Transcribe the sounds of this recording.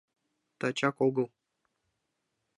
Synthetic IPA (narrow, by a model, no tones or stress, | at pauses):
t̪at͡ɕakoɡɤ̆lˠ